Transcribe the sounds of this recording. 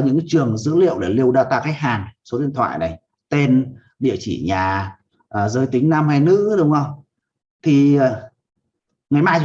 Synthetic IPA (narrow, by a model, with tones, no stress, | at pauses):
ɲɨ̰˧˥ŋt͡ɕɨ˨˩əŋzɨ̰˧˥lḭ˧˨əwɗae˧˨˩jli˧əwɗaː˧wt̪aː˧kaː˨˦jɦaː˨˩nso˨˦ɗḭ˧˨ənt̪wa̰ː˧˨jna˨˩j | t̪e˧n | ɗḭ˧˨ət͡ɕḭ˧˩ɲaː˨˩ | əː˨˩zəː˨˦jt̪i˨˦ŋ̟naː˧mha˧jnɨ̰˧˥ɗʊ˨˦wŋ͡mə˧wŋ͡m | t̪ʰiː˨˩˨ | ŋa˨˩jmaː˧j